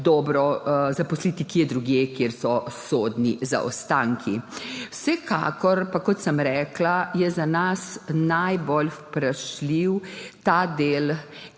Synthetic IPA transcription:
d̪ɔːbɾɔzapɔslit̪ikjɛd̪ɾuɡjeːkjeːɾsɔsoːd̪niza̰ʔɔ̰st̪aːŋkʰiwsɛka̰ːkɔɾpakɔt̪səmɾɛːklajɛzanasnajbolfpɾaʃliwt̪aːd̪eːl

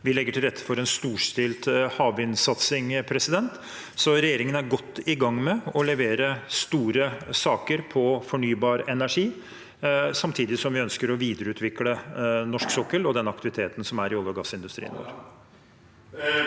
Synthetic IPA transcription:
ʋɪlɛɡːəʈʰɪlɾɛt̪ʰːə̥fɔɾɛnst̪uːʂt̪ɪlt̪hɑːʋɪnsɑt̪sɪŋpʰɾɛsɪd̪ɛnt̪ | sɔɾɛjeːɾɪŋənæɾɡɔt̪ːɪɡɑŋːmɛɔlɛʋeːɾəst̪uːɾəsɑːkəɾpʰɔfɔɳyːbɑːɾɛnæʂiː | sɑmt̪ʰiːd̪ɪsɔmʋɪœnskəɾɔʋiːd̪əɾəʉːt̪ʰʋɪklənɔʂksɔkːəlɔd̪ɛnːɑk̚t̪ɪʋɪt̪ʰeːt̪n̩sɔmæɾɪɔlɡɑɡɑsɪnd̪ʉst̪ɾḭːənʋo̰ːɾ

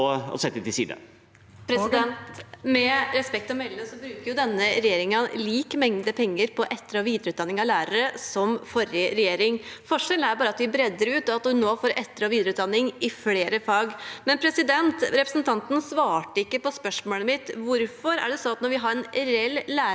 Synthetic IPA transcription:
ɔ̰sɛt̪ːɛt̪ɪsḭːd̪ə̰ | pʰɾɛd̪ɛmɛɾɛspɛk̚t̪ɔmɛlːəsɔbɾʉːkəɾjʊd̪ɛnːəɾɛjeːɾɪŋəliːkmɛŋd̪əpʰɛŋːəɾpʰɔʔɛt̪ːəɾɔʋiːd̪ɾʉːt̪d̪ɑnːɪŋɑʋlæːɾəɾəsɔmfɔɾjəɾɛjeːɾɪŋfɔʂɛln̩æɾbɑːɾəɑt̪ʋɪbɾɛd̪ːəɾʉːt̪ɔɑt̪hʉnːoːfoːɾʔɛt̪ːəɾɔʋiːd̪ɾəʉːt̪d̪ɑnːɪŋɪfleːɾəfɑːɡmɛnpʰɾɛsɪd̪ɛnt̪ɾɛpɾəsnt̪ʰɑnt̪ən̩sʋɑːʈəɪkːəpɔspœʂmoːləmɪt̪ʋʊɾfɔɾæ̰ɖɛsɔnɑt̪nɔɾʋɪɦɑɾɛnɾɛɛlːæː

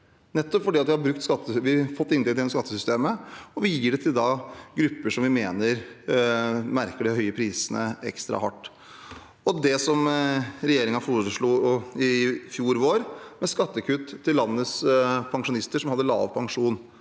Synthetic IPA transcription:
nɛt̪ːɔpfɔɖiːɑt̪ʋɪhɑɾbɾʉk̚t̪skɑt̪ːəʋɪfɔt̪ːɪnɛt̪ɪɛskɑt̪ːəsʏst̪eːməɔʋɪjiːɖɛt̪ʰɪld̪ɑɡɾʉpːəʂɔmʋɪmeːnəɾ | mæɾkəɖɪhœʏəpʰɾiːsənə̰ɛ̰kst̪ɾɑ̰hɑ̰ʈː | ɔd̪ɛsɔmɾɛjeːɾɪŋɑfuɾʂɭuːɪfjuːɾʋoːɾmɛskɑt̪ːəkʰʉt̪ʰːɪlːɑnːəspʰɑŋʂʊnɪst̪əʂɔmɑd̪ːəlɑ̰ːʋpʰɑŋʂuːn

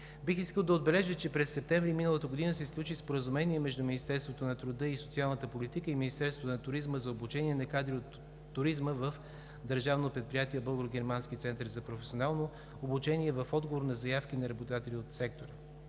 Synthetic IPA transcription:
bixiskəlˠd̪ɐod̪̚bɛlɛʒət͡ʃɛpɾɛsːɛp̚t̪ɛɱvɾiminəlˠət̪əɡod̪inəsɛsklʲˠut͡ʃispoɾəzumɛniɛmɛʒd̪uminist̪ɛɾst̪vot̪onɐt̪ɾʊd̪ɤisot̪sialˠnət̪əpolit̪ikəiminist̪ɛɾst̪vot̪onɐt̪ʊɾizməzɐobut͡ʃɛniɛnɐkad̪ɾiot̪ː | ʊɾizməvəf | d̪əɾʒavnopɾɛt̪̚pɾijat̪iɛbɤlˠɡɾoɡʲɛɾmanskit̪sɛnt̪əɾzɐpɾofɛ̥sʲionalˠnoː | but͡ʃɛniɛvɐfɔd̪ɡovoɾnɐzɐjafk̟inɐɾɐbod̪at̪ɛlʲiot̪sɛk̚t̪oɾə

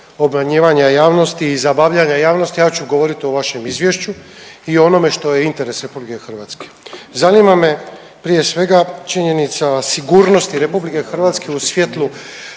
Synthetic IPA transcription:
o̞bmaɲeːʋaɲajaːʋno̞st̪iːzabaʋʎaɲajaːʋnost̪ijaːt͡ɕuɡo̞ʋo̞ɾit̪ioʋaʃe̞mizʋjeʃt͡ɕuio̞no̞me̞ʃt̪o̞je̞int̪e̞ɾe̞sɾe̞publikexr̩ʋat̪ske̥zanimame̞ | pɾije̞sʋe̞ɡat͡ʃiɲe̞nit̪sasiɡuːɾno̞st̪iɾe̞publike̞xr̩ʋat̪ske̞usʋje̞t̪lˠu

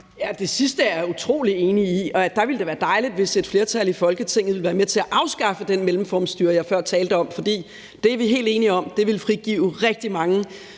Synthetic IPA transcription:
jæd̥e̝sisd̥əæut͡sʰʁo̝̰ːlie̝ːniiɒ̽d̥ɑ̈ʋeld̥eʋæːɐd̥ɑ̈ɪlid̥ʋe̝se̝d̥fle̝ːɐt͡sʰælifɒ̽lɡ̥ət͡sʰeŋ̰ð̩ˠʋe̝lʋæːɐmet͡sʰe̝æʔɑ̈ʊsɡ̥ɑ̈fəd̥enmelm̩fɒːmsd̥yːɐjɑ̈ɪfɶɐ̰t͡sʰɛːld̥əɒ̽mfɒ̽d̥ḭː | d̥e̝æɐʋiɦe̝̰ːld̥e̝ːniɒ̽m̰d̥e̝ʋe̝lfʁiɡ̥ḭːʊʁɛɡ̥̚d̥imɑ̈ŋə

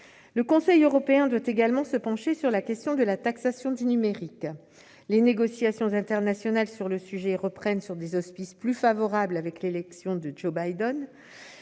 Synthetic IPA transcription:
ləkɔ̃sɛjøʁɔpeɛ̃d̪wat̪eɡalmɑ̃səpɑ̃ʃesyʁlakʲɛst̪jɔ̃d̪əlat̪aksasjɔ̃d̪ynymeʁik | leneɡɔsjasjɔ̃zɛ̃t̪ɛʁnasjɔnalsyʁləsyʒɛʁəpχɛnsyʁd̪ezɔspisplyfavɔʁablavɛklelɛksjɔ̃d̪əd͡ʒobajd̪ɔn

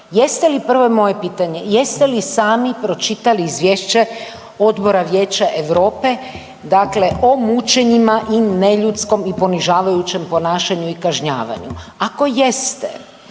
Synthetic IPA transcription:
jest̪e̞lipr̩ʋo̞emo̞je̞piːt̪aɲe̞je̞st̪elisaːmipɾo̞t͡ʃit̪aliizʋjeːʃt͡ɕe̞ | o̞d̪bo̞ɾaʋjeːt͡ɕaʔeʋɾo̞ːpe̞ | d̪akle̞ʔo̞mut͡ʃe̞ɲimaʔine̞ʎut̪sko̞mipo̞niʒaːʋajut͡ɕe̞mpo̞naːʃaɲuikaʒɲa̰ːʋa̰ɲuako̞je̞st̪ḛ

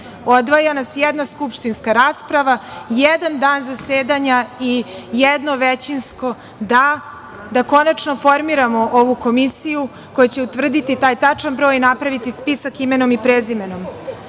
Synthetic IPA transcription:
o̞d̪ʋajanasjɛd̪naskupʃt̪inskaɾaːspɾaʋajed̪and̪aːnzaseːd̪aɲaijed̪no̞ʋet͡ɕinsko̞ | d̪a | d̪ako̞nat͡ʂno̞fo̞ɾmiɾamo̞ʔoʋuko̞misiju | ko̞jat͡ɕeut̪ʋr̩d̪it̪it̪aːjt̪at͡ʂanbɾo̞ːjnapɾaʋit̪ispisakimenomipɾezimeno̞m

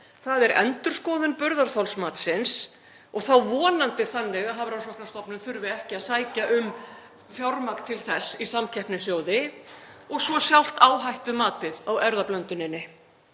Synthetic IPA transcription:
θaðɛɾʔɛ̰nt̪ʏɾ̥skɔːðʏnpʏɾðaɾ̥θawlsmaːt̪sɪns | ɔɣθawvɔːnant̪ɪθanːɛɣaɦavɾaws̬ɔht̪nast̪ɔpnʏmθʏɾvɪɛhcɪaðsaːjcaʔʏm | fjɔwɾmakt̪ʰɪlθɛsːisamcʰɛhpnɪsjoːwðɪ | ɔɣsvɔsjawl̥t̪aːwɦajht̪ʏmaːt̪ɪðawɛɾðaplœnt̪ʏnɪnːɪ

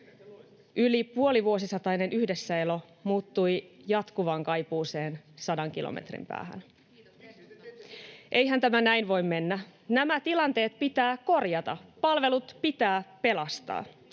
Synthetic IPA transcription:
ʔylipuo̞liʋuo̞sisɑt̪ɑine̞nyhde̞sːæe̞lo̞ | muːt̪ːujjɑt̪kuʋɑŋkɑjpuːseːnsɑdɑŋkilo̰mḛt̪rḭmpæ̰ːhæ̰n | ʔe̞jɦænt̪æmænæinʋo̞jmːe̞nːænæmæt̪ilɑnt̪e̞ːt̪pit̪æːko̞rjɑt̪ɑpɑlʋe̞lut̪pit̪æːpe̞lɑst̪ɑ̰ː

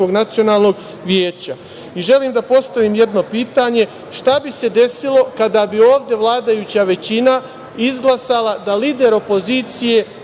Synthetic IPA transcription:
oɡnat̪sio̞naːlˠno̞ɡ | ʋjeːt͡ɕa | iʒe̞liːmd̪apo̞st̪aʋiːmje̞d̪no̞piːt̪aɲe̞ | ʃt̪abise̞d̪e̞silo̞kad̪abio̞ːʋd̪je̞ʋlˠaːd̪ajut͡ɕaʋe̞t͡ɕina | izɡlˠasalˠad̪aliːd̪e̞ɾo̞po̞ziːt̪sije̞

